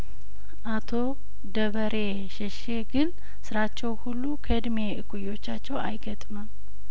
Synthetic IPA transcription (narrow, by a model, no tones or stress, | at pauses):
ʔat̪ʰo̞ | d̪əβəɾʔe | ʃɛʃe̞ɡɨn | sɨɾat͡ʃːɛwhulːukʰəd̪meɨkʼujːo̞t͡ʃːat͡ʃːɛwajɡət̪ʼməm